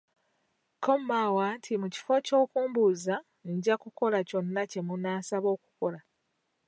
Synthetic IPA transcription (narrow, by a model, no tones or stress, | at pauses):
kʰomːawaːntʰimuci̥fo̞co̞ːkuːmbuza | ɲɟakuko̞laco̞nːace̞munaːsaβo̞ːku̥ko̞la